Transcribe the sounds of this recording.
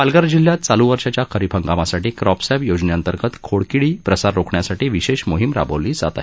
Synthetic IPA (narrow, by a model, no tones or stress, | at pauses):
alɡaɾd͡ʑil̤ːjat̪t͡saluʋəɾʂat͡ɕjakʰəɾipʰəŋɡamasaʈiːkɾɔpsabjod͡zɳejant̪əɾɡət̪kʰoɽkiɭiːpɾəsaɾːokɳjasaʈiːʋiɕeɕmoɦimɾa̰bəliːd͡za̰t̪a̰